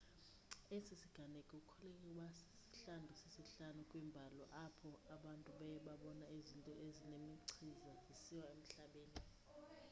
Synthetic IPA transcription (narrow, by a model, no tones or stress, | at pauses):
esisiɡ̥ʱanekʼɛukʰɔlɛkʼɛwas | si̥ɬandʱusisiɬanukʼwimbʱalɔʔapʰɔaɓantʼuɓajɛɓaɓɔnaezintʼɔʔezinemiǀʰizazisiwaem̩ɬaɓeːni